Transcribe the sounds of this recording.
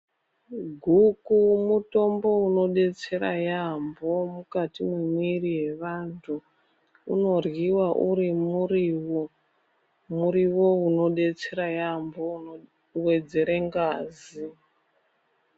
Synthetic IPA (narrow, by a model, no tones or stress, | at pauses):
ɡʱukumuto̞mbo̞uno̞ɗe̞t͡se̞ɾa̰jambo̞mukatimwemwirije̞ʋantʰu | uno̞rwiwaʔuɾimuriwo | muɾiwo̞uno̞ɗe̞t͡se̞ɾajambo̞ | we̞d͡ze̞ɾeŋɡaːzi